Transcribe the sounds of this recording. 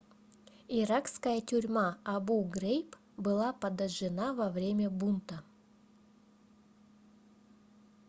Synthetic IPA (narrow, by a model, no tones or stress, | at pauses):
iɾakskəjətʲʊɾʲmaɐbuɡɾejp | bɨlˠapɐd̪ɐʐɨnavɐvɾʲemʲəbunt̪ə